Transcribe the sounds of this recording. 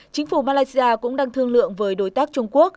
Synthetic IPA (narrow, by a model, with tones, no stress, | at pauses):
t͡ɕï˨˦ŋ̟fu˧˩maː˧laː˧˦jsi˧ʔaː˧kʊ̰˧˥ŋ͡mɗaː˧ŋt̪ʰɨ˧əŋlɨ̰˧˨əŋvəː˨˦jɗo˨˦jt̪aː˦˥k̚t͡ɕʊ˧ŋ͡mku˦˥ək̚